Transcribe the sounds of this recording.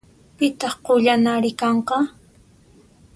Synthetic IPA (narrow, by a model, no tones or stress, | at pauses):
pɪt̪ɑχqoʎanaɾɪkɑɴqɑ